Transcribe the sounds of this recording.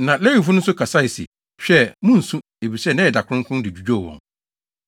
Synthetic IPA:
nã˨lɛ˦i˨fʊ˦nʊ̃˦n̩˦sʊ˦kʰa˨sa˦i˨sḭ˨ | ɕᶣɛ˦mʊ̃˦n̩˨sũ˦ | e˨bi˨sɛ˦˨nã˦ɛ˨da˨kʰʊ̃˦ŋ˦kʰʊ̃˦n˦dɪ˨d͡ʑᶣu˨d͡ʑᶣo˦˨wɔ̰̃˨ŋ

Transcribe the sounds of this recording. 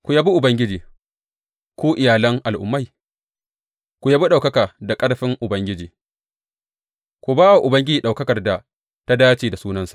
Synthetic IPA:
kʷu˨ja˦bi˦ʔʊ˨bɐ˦ŋɡʲɪ˦d͡ʒiː˨ | kʷuː˦ʔɪ˨jaː˨lɐ˦ŋʔa˨lʔʊ̰˨mːa˦j | kʷu˨ja˦bi˦ɗa˨wkɐ˦kaː˨da˨kʼɐ˦ɽɸɪ˦ŋʔʊ˨bɐ˦ŋɡʲɪ˦d͡ʒiː˨ | kʷu˨baː˦wa˨ʔʊ˨bɐ˦ŋɡʲɪ˦d͡ʒiː˨ɗa˨wkɐ˦kɐ˨rda˨ | ta˦daː˦t͡ʃiː˨da˨suː˦nɐ˦nsḁ˨ʔ

